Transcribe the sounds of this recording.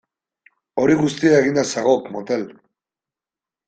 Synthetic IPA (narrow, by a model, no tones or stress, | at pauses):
o̞ɾiɣust̪iaeɣind̪asaɣokmot̪el